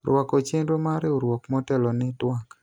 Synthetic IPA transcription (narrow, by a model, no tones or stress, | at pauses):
ɾwakot͡ʃendomaɾeoɾwɔkmɔtɛlɔnɪtwak